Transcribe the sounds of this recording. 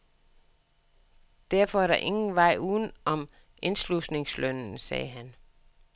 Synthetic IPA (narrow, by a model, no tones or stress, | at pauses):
d̥æɐ̰fɒ̽æɐɾɑ̈ʔe̝ŋn̩ʋɑ̈ɪ̰uːðˠn̩ɒ̽m | ʔe̝nslusne̝ŋslœnn̩sɛ̰ːɦæn